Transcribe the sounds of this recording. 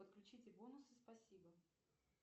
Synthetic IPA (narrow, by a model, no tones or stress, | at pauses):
ət̪̚klʲʉt͡ɕitʲɪbonʊsɨspɐsʲibə